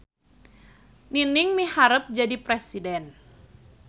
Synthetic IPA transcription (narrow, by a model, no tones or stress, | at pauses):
ninɪŋmihaɾəp̚d͡ʒadipɾɛsidɛn